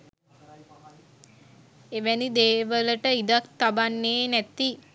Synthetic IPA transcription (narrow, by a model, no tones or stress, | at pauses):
eʋænid̪eːʋələʈəid̪ak̚t̪abanːeːnæt̪i